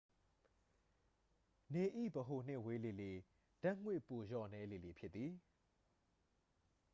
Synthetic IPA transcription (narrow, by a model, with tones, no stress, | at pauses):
ne˨ʔḭ˦˨bəɦo˨n̥ɪ̃˦˨we˦le˨le˨ | d̥ã˦˨ŋ̥wɪ˦˨po˨jɔ˦˨nɛ˦le˨le˨pʰjɪ˦t̪t̪ːi˨